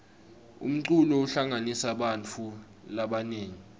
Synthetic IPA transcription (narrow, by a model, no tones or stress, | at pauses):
ṵm̩ǀulɔuɬaŋanisaɓant͡fʰu | laɓaneːŋi